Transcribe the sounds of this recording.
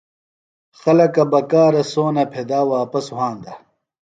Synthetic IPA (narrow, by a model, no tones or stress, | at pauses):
xɐlɐkɐbɐkaːɾɐsoːnɐpʰed̪aːwaːpɐsuɦãːnd̪ɐ